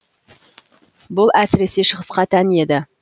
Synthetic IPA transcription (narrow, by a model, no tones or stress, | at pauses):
bʊlˠæsɪɾe̞se̞ʃəʁəsqɑt̪ʰæne̞d̪ɪ